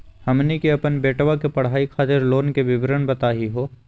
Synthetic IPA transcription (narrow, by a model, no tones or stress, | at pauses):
hɐmnikeɐpənbeːʈʋakepɐɽ̤ɦaːikʰaːt̪ɪɾloːnkebɪbɾənbɐt̪aːɦiɦoː